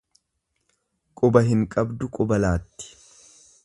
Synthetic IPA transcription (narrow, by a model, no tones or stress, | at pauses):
kʼʊbɐɦɪŋkʼɐbd̪ʊkʼʊbɐlaːt̪ːɪ̥